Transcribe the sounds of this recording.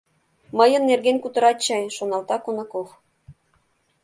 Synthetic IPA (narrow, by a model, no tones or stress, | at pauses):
məjə̆nːerɣenkut̪ɤ̆ɾɑt̪̚t͡ɕɑjʃonɑlt̪ɑkonɑkof